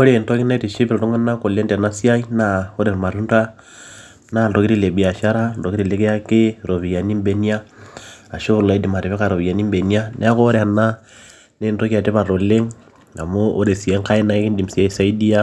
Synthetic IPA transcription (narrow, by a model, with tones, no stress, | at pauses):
o˦ɾe˨nto˦ki˦na˦i˦ti˨ʃi˦pi˨ltu˦ŋa˦na˦ko˨lɛ˦nda˨na˦si˦a˦i˦na˨ɔ˦ɾɛ˨ɾma˨ɾu˦nda˦ | na˦˨do˨ki˦ɾi˦˨le˨bi˨a˨ʃa˦ɾa˦dɔ˨ki˦ɾi˨le˦kɛ˦a˦kɪ˦ɾo˨βi˨ja˨ni˦mbɛ˦ni˦a˦a˨ʃo˦βu˨la˨i˦di˨ma˨ɾi˨βɛ˦ka˨ɾo˨βi˨ja˨ni˦mbɛ˨ni˦a˦nʔɛ̰˦a˦ko˦ɾɛ˨a˨na˦ | nɛ˦˨ntɔ˦ki˦a˨ti˦βa˨ɾo˨le˦ŋ | a̰˨mo˦ʔːɾe˨si˨ɛ˦ŋka˦i˦na˦i˦ki˦n˦di˨m̩˨sja˦i˦sa˦i˦di˦a˦